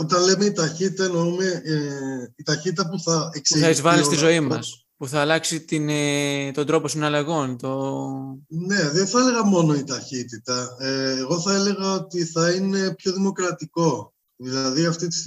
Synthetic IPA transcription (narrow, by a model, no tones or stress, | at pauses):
o̞t̪ɐnle̞me̞it̪ɐçit̪it̪ɐnoumeeit̪ɐçit̪it̪ɐpuθɐeksuiθɐizvɐlist̪izo̞imɐs | puθɐːlɐksit̪int̪o̞nd̪ɾo̞po̞sinɐlɐɣo̞nt̪o̞ | ne̞ðenθɐele̞ɣɐmo̞no̞it̪ɐçit̪it̪ɐeːɣo̞θɐeleɣɐot̪iθɐine̞pço̞ðimo̞kɾɐt̪iko̞ | ðilɐðiɐft̪it̪i̥s